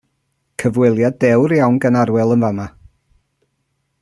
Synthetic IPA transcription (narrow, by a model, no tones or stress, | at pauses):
kʰəvwɪlˠjadɛwɾjawnɡənaɾwɛlˠənvama